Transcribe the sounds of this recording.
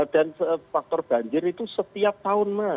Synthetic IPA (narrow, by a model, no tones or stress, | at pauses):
d̥ansəfak̚t̪ɔrb̥a̤ɲd͡ʒɪɾit̪usət̪iap̚t̪aʊnma